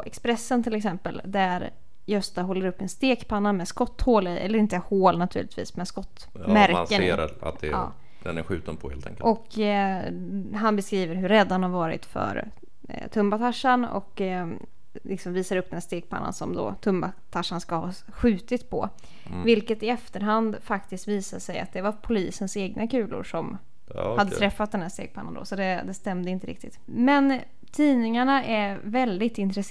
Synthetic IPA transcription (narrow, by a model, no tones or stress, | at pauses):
ɛ̰kspɾɛsːənt̪ʰɪlɛksɛmpəld̪æɾ | jœst̪aɦɔlːəɾɵpːɛnst̪eːkpʰanːamɛskɔt̪ːhoːlɪʔɛ̰lːəɾɪnt̪əhoːlnat̪ʰʉ̟ːlɪt̪vḭːsmɛskɔt̪ː | mæɾnsəḛːɾa̰t̪̚d̪ɛ̰ː | d̪ɛnæ̰ɾɧʉ̟ːt̪ənpʰɔhḛlt̪ʰɛ̰ŋkːəʔɔk | ɦanbɛskɾiːvəɾɦɵɾɛd̪ːanhaɾvɑːɾɪ̰t̪fœ̰ɾ | t̪ʰɵmbat̪ʰaʂːanɔ̰k | lɪksɔmviːsad̪ɾɵpd̪ɛnæːʂt̪eːɡ̚pʰa̰nːa̰nsɔ̰md̪ɔ̰t̪ʰɵmbat̪ʰaʂːanskahɑ̰ː | ɧʉ̟ːt̪ɪt̪pʰɔ̰ | vɪlkət̪ɪɛft̪əɾɦand̪fakt̪ɪst̪viːsaʂɛja̰t̪̚d̪ɛvaɾpʰʊliːsənseːɡ̚nakʉ̟ːlʔʊ̰ɾʂɔm | had̪ːət̪ʰɾɛfːat̪̚d̪ɛnhæːʂt̪ḛːɡ̚pʰanːa̰nd̪ɔ̰sɔd̪ɛd̪ɛst̪ɛmd̪əɪnt̪əɾɪ̰k̚t̪ɪt̪ | mɛn | t̪ʰiːnɪŋaɳaʔɛɾvɛld̪ɪt̪ɪnt̪ɾɛs